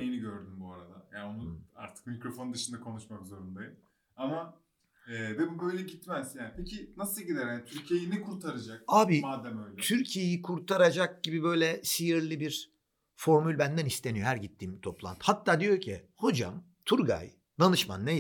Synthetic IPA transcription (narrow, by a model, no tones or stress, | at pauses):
ejiniɟøɾd̪ymbuaɾad̪ajaːnonua̰ɾt̪ʰɯ̥kmikɾo̞fo̞nnd̪ɯʃɯnd̪akʰo̞nuʃmakzo̞ɾund̪ajɯ | ama | ɛːbɛbubøjlʲɛɟit̪mæzjaːnpʰecʰinasɯlˠɟid̪æɾhanit̪ʰyɾcʰijejinɛkʰuɾt̪ʰaɾad͡ʒak̚aːbimaːd̪æmøjlʲɛt̪ʰyɾcʰijejikʰuɾt̪ʰaɾad͡ʒak̚ɟibibø̞jlʲɛʃijiɾlʲibiɾ | fo̞ɾmylʲbænd̪ænist̪ʰe̞nijo̞ɦæɾɟit̪ʰːiːmt̪ʰo̞plˠa̰nt̪ʰhat̪ʰːaːd̪ijo̞cʰiho̞d͡ʒa̰m | t̪ʰuɾɡa̰j | d̪anɯʃma̰nːej